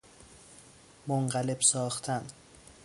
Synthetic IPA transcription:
moŋɢæle̞b̥sɒːxt̪ʰæn

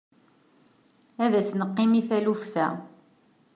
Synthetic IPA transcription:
æðæsnəqːɪmiθælufθæ̰

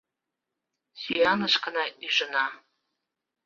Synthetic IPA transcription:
sijanaʂqʰanaiʐʷɨna

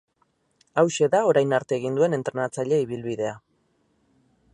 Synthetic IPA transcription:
awʃe̞ðao̞ɾajnaɾt̪e̞ːɣ̞ind̪ue̞ne̞nt̪ɾe̞nat͡saʎe̞iβilβiðe̞a

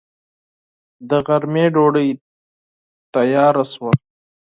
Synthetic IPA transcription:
d̪əɣɐɾmeːɖoːɽəj | t̪ajɑːɾaswa

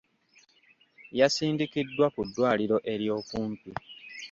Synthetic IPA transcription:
jasiːndikidːwakudːwaːliɾo̞ʔe̞ɾjo̞ːkuːmpi

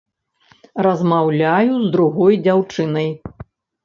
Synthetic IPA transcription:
rɐzmawlʲajuzd̪ɾuɣɔjd͡zʲawt͡ʂɨnɐj

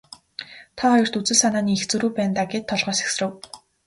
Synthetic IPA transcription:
t̪ʰɔχɔjɞ̆r̥t̪ut͡sɘ̆ɮsanaːniːxt͡sɵɾuːpæːnt̪aːɡet̪ʰːɔɮʁœːse̥xsrɘ̆w

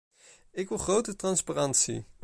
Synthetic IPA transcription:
ɪkʋɪlˠχrowtətrɑnsparɑntsḭ

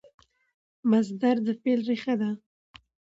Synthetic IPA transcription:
mazd̪aɾd̪əpelɾexad̪a

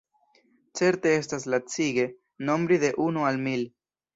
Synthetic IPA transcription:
t͡se̞ɾte̞e̞staslat͡siɡe̞ | no̞mbɾiðe̞ʔunualmil

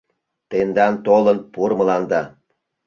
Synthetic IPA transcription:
t̪end̪ɑnt̪olˠɤ̆npuɾmɤ̆lˠɑnd̪ɑ

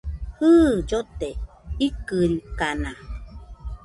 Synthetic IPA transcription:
hɨːd͡ʒot̪e | ikɨɾikana

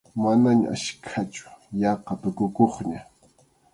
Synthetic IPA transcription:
manaɲa̰ʔa̰ʃkʰat͡ʃʊ̥jɑqɑt̪ʊkʊkoχɲa

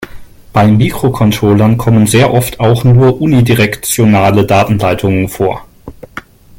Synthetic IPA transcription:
b̥aɪmiːkʁ̥okʰɔntʁ̥oːlɐnkʰɔmənzeːɐʔɔftʰaʊxnuːɐʔuːnidiʁɛkt͡sjonaːlədaːtn̩laɪtʰʊŋənfoːɐ

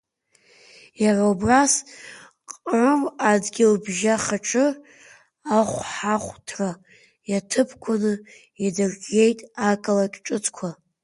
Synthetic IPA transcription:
jaraubras | qʼrɨmadɡʲɪlbʒaχaʈ͡ʂʰʼɨ | aχʷħaχʷtʰra | jatʰɨpʰkʷʰʊnɨ | jadɨrɡʲe̞jtʼakʼɨlakʲʼʈ͡ʂʼɨt͡sʼʰkʷʰa

